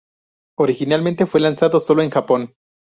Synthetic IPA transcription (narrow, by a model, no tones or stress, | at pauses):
oɾixinalmẽnt̪e̞fwe̞lansaðo̞so̞loeŋxapo̞n